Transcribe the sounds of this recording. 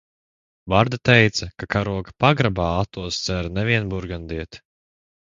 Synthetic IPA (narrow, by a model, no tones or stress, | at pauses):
vaɾd̪at̪ɛjt̪sɐkakaɾuɔkḁpaɡɾabaːat̪ːuɔst̪sɛɾnɛviɛnbuɾɡand̪iɛt̪